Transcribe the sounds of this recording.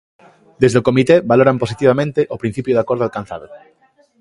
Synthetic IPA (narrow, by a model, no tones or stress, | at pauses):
d̪ezðokomit̪eβaloɾamposit̪iβ̞amẽnt̪eʔopɾin̟θipjʊðakoɾðoalkan̟θa̰ðo